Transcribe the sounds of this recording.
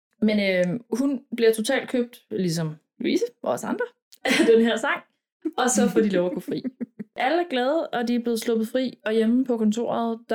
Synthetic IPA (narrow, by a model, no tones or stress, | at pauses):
menøhunb̥liɐt͡sʰo̝t͡sʰɛ̰ːld̥̚kʰøb̥̚d̥lis̬ɒ̽m | lṵḭːsəɒɒsɑ̈nd̥ʁɐ | d̥e̝nɦeɐ̰sɑ̈ŋ̰ | ɒ̽sɒ̽fɒd̥ilɒʊɐɡ̥ofʁḭːʔæləæɐɡ̥lɛːð̩ˠʔɒ̽d̥iæɐble̝ːð̞̩ˠslɔ̽b̥ð̩ˠfʁḭːɒ̽jeməpʰɒ̽kʰɒ̽nt͡sʰo̝̰ːɐðˠd̥